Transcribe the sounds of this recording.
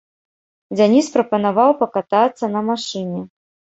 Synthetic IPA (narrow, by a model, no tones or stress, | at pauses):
d͡zʲanʲispɾɐpɐnavawpɐkat̪at̪sːɐnɐmaʂɨnʲɛ